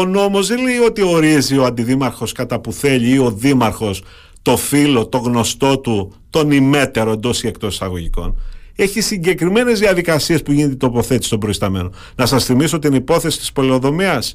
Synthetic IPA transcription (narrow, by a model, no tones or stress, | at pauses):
ono̞mo̞zðeleio̞t̪io̞ɾizio̞ɐnd̪iðimɐɾxo̞skɐt̪ɐpuθe̞ʎiio̞ðimɐɾxo̞s | t̪o̞filo̞t̪o̞ɣno̞st̪o̞t̪ut̪o̞nime̞t̪e̞ɾo̞end̪o̞sie̞k̚t̪o̞si̥sɐɣo̞ʝiko̞̰ne̞çisiɲɟe̞kɾime̞ne̞zðiɐðikɐsie̞spuʝinet̪̬et̪opo̞θet̪i̥st̪obɾoist̪ɐme̞̰no | nɐsɐsθimisot̪inipo̞θe̞si̥t̪ispo̞leo̞ðo̞miɐs